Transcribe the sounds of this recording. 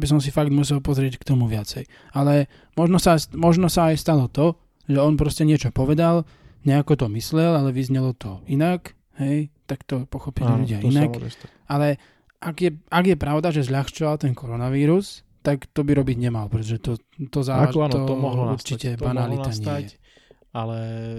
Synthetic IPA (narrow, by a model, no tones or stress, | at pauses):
bis̬ɔms̬ifaɡ̚d̪mus̬ɛlpɔzɾɪɛckt̪ɔmuʋɪat͡sɛj | alɛ | mɔʒnɔsamɔʒnɔsaːjst̪alɔt̪ɔ | ʒɛɔnpɾɔscɛɲɪɛt͡ʃɔpɔʋɛd̪al | ɲɛakɔt̪ɔmislɛlalɛʋizɲɛlɔt̪ɔinak | ɦɛjt̪akt̪ɔpɔxɔpililʎuɟɪaina | alɛ | ʔaɡjɛaɡjɛpɾaʊd̪aʒɛzʎaxt͡ʃɔʋalt̪ɛnkɔɾɔnaʋiːɾus | t̪akt̪ɔbiɾɔbiɟɲɛmalpɾɛt̪ɔʒɛt̪ɔt̪ɔzaaʒɔɦuɾt͡ʃicɛbanaliaɲajɛ | alɛ